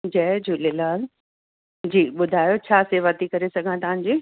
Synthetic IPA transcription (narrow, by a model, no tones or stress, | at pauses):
d͡ʑɛd͡ʑulelaːɾ | d͡ʑiːɓʊd̪ʱaːjot͡ɕʰaːseʋɐt̪ikɐɾesɐɡʱãt̪ɐʋ̤ãɲ̆d͡ʑiː